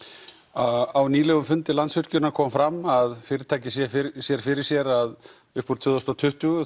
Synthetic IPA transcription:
aawniːlɛɣʏmfʏnt̪ɪlant̪svʏɾ̥cʏnakʰɔːmfɾamːaðfɪːɾɪɾt̪ʰaːjcɪsjɛsjɛɾ̥fɪɾɪɾ̥sjɛɾað | ʏhpuɾt̪vʏːðɔst̪at̪ʰʏht̪uɣʏ

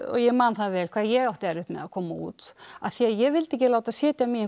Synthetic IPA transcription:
ɔ̰ɣjɛmaːnθaðvɛːlkʰvaːðjɛɣawht̪ɛɾʏhpmɛ̰ðakʰɔːmaṵːt̪a̰ðθiaðjɛɣvɪlt̪ɛhcːɪlaːwt̪aðsjɛːt̪jamiɪ

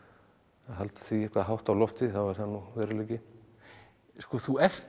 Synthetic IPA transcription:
aɦalt̪ḁθviɛhkvaðɦawht̪awlɔft̪ɪθavaɾ̥θanːuvɛːɾɪleːjcɪ | skɔθuɛft

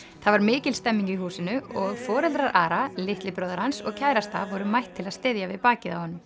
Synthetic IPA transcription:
θaðvaɾmɪːcɪlst̪ɛmːiŋɲcihuːsɪnʏɔɣfɔːɾɛlt̪ɾaɾʔaːɾalɪht̪lɪpɾœːwðaɾ̥hansɔɣcʰaːjɾast̪a̰vɔɾʏmajht̪ʰːɪlaðst̪ɪðjavɪðpaːcɪðawhɔnːʏm

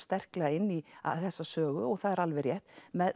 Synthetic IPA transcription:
st̪ɛr̥klɛɣaɪnːia̰θɛsːasœːɣʏɔɣθaðɛɾalvɛɾjɛht̪mɛð

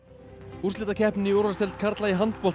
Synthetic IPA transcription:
uɾ̥lɪt̪acʰɛhpnɪowɾasɛlt̪kʰaɾt̪laiɦant̪pɔl

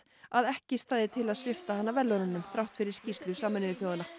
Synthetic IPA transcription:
aðɛhcɪst̪aːððɪt̪ʰɪlaðsvɪft̪ahanːavɛlːɔɾʏnːʏmθɾawht̪fɪɾɪɾ̥scist̪lʏsaːmnɪvɪfjoːwðana

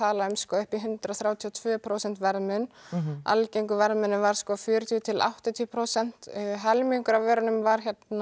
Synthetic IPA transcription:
aːlaʏmskɔːʏhpiɦʏnt̪ɾaθɾjaːwt̪ʰiɔt̪ʰvʏːpʰɾoːwsɛn̥t̪vɛɾðmʏna̰lcejŋkʏvɛɾðmʏnːʏvaɾ̥skɔːfjʏːɾʏt̪ʰjʏt̪ʰɪla̰wht̪at̪ʰiːpʰɾowsɛn̥t̪ːɦɛlmiŋkʏɾavvɛːɾʏnʏmvaɾ̥çɛt̪na

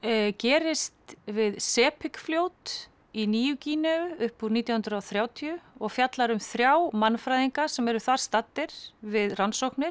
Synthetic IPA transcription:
cɛːɾɪst̪vɪðsɛːpʰɪkfljoːwt̪ | iniːjʏciːnœʏʏhpuɾniːt̪jahʏnd̪ɾawθɾjaːwt̪ʰiʏɔɣfjat̪laɾʏmθɾjaːwmanːfɾajðiŋkasɛmɛɾʏθaɾ̥st̪at̪ːɪɾ̥vɪðransowhknɪɾ̥

